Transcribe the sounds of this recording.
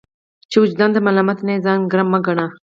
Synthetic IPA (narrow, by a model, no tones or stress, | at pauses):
t͡ʃeʊd͡ʒd̪and̪əmalamat̪nezaːŋɡɾamːaɡaɳa